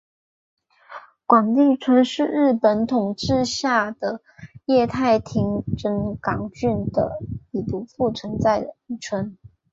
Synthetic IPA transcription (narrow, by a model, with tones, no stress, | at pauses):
kwa˨˩nli˥˩ʈ͡ʂʰwə˥nʂɻ̩˥˧ɻɻ̩˥˩pə˧˥nt̪ʰʊ˨˩ŋʈ͡ʂɻ̩˥˧ɕja˥˩d̪ə˩ | jɛ˥˧t̪ʰa˥˩ɪt̪ʰi˧˥ŋʈ͡ʂə˧˥ŋkɑ˨˩ŋt͡ɕy˥˩nd̪ə̰˩i˨˩pu˧˥fu˥˩t͡sʰwə˧˥nt͡sa˥˩ɪ˥˩ʈ͡ʂʰwə˧˥n